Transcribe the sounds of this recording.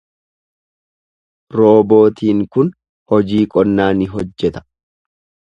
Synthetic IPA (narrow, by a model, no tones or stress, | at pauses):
ɾo̞ːbo̞ːt̪iːŋkʊn | hɔd͡ʒiːkʼɔnːaːnɪɦɔd͡ʒːɛt̪ɐ̥